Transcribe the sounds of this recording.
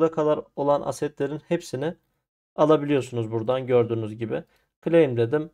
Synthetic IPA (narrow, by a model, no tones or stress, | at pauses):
d̪akʰad̪aɾo̞lˠanʔa̰sɛt̪lʲe̞ɾinhepsinɪ | alˠabilʲijo̞ɾsunuzbuɾd̪anɟø̞ɾd̪yːnyzɟibi | kʰɯlʲejimd̪e̞d̪im